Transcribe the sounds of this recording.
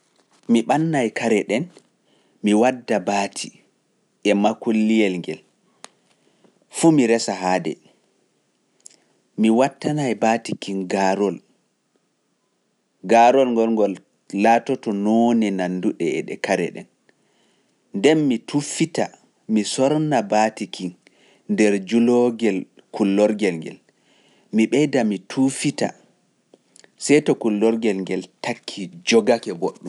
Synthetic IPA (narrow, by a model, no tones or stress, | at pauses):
miɓanːajkʰaɾɛɗɛn | miwadːabaːtʰi | ʔɛmakolːijɛlŋɡɛl | fumiɾɛsaɦaːdɛ̰ | miwatːanajbaːtikinɡaɾɔl | ɡaɾɔlŋɡɔlŋɡɔlː | atɔtɔnɔnɛnanduɗɛɛ̰ɗɛ̰kaɾɛ̰ɗɛ̰n | ndɛnmitʰufita | misɔɾnabatikiŋ | ndɛɾd͡ʒulɔɡɛl | kulːɔɾɡɛlŋɡɛ̰l | miɓɛjdamitʰufita̰ | sɛjtɔkulːɔɾɡɛlŋɡɛltakʰːid͡ʒɔɡakɛboɗːum